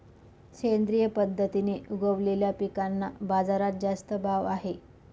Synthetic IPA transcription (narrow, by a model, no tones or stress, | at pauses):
kend̪ɾijəpəd̪ʱːət̪ineːuɡəʋleljapikanːabad͡zaɾat̪̚d͡zast̪əbʱaʋaɦe